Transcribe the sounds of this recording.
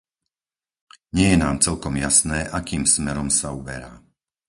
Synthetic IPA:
ɲɪɛjɛnaːmt͡sɛlkɔmjasnɛːʔakiːmsmɛɾɔmsaubɛ̰ɾa̰ː

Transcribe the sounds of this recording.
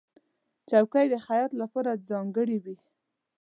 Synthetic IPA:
t͡ʃawkajd̪əxajɑt̪lapɑɾad͡zɑŋɡəɽiwi

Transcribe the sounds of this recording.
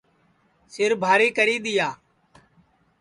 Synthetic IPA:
sɪɾbʱaːɾiːkəɾiːɗ̪ɪjaː

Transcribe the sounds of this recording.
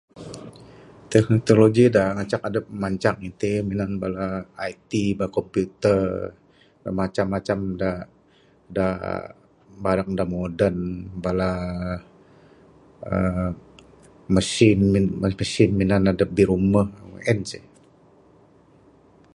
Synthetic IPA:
t̪ɛknit̪oloɡidaŋat͡ʃakadəp̚maɲt͡ʃaŋit̪eminanbalaːjt̪ibaakɔmpjut̪ər | damat͡ʃamːat͡ʃamda | da | baɾak̚damodənbala | ə̰ | məsɪnməsɪnminanadəp̚biɾuməhʔɛnsɛ

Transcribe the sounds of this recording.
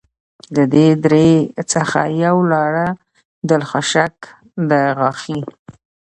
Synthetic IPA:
d̪əd̪ed̪ɾet͡səxa̰jawlɑɽa | d̪əlxɑʃak | d̪əɣɑxi

